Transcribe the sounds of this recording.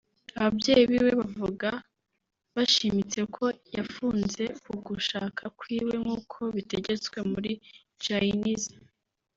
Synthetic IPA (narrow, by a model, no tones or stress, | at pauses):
aβabɟe̞ːjiβiwe̞βavuɡa | βaʃimit͡se̞kʰo̞jafuːnze̞uɡuʃaːkʰakwiːwe̞ŋuːkʰo̞βite̞ɟe̞t͡skwe̞muɾi | t͡ʃainiza